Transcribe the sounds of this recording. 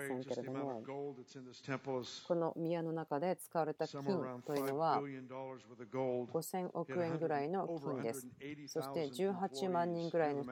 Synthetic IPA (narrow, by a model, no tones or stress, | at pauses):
ãŋke̞ɾe̞d̪one | ɛ̃pko̞no̞mʲiano̞nakad̪e̞t͡sɨ̥kaβaɾe̞t̪akʲĩnt̪o̞jɯ̟no̞βa | ɡ̥o̞sẽ̞ŋʔo̞kɯ̟ẽ̞ŋɡɯ̟ɾaino̞kkʲĩnd̪e̞sɨ̥so̞ɕɕi̥t̪e̞d͡ʑɨːɦat͡ɕimãɲ̟ːĩŋɡɯ̟ɾaino̞